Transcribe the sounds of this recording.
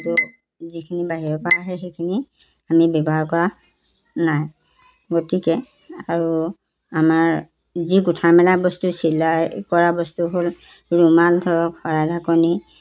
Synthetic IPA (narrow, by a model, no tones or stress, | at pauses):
itu | zikʰinibaɦiɹɔpaaɦɛxejkʰini | amibɛbɔɦakɔɹa | naj | ɡotikɛ | aɹu | amaɹ | zikutʰamɛlabɔstusilajkɔɹabɔstuɦol | ɹumaldʰʱɔɹɔkhɔɹadʱakɔni